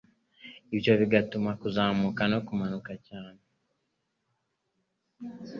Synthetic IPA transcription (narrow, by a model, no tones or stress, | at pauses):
iβjoβiɡatumakuzaːmukano̞kumanukacaːne